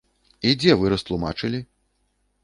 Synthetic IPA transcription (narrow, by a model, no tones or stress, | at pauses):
id͡zʲɛvɨɾɐst̪lˠuma̰t͡ʂɨlʲi